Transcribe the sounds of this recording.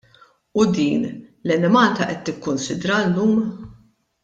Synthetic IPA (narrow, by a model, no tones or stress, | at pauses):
ʊd̪iːnlɛnɛmɐlt̪ɐʔɛt̪ːɪkːʊnsɪd̪ɾɐlːuːm